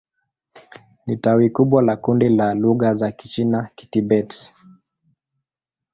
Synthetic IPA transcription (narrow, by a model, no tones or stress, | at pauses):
nitauikuɓwalakundilaluɣazaki̥t͡ʃinaki̥tibɛti̥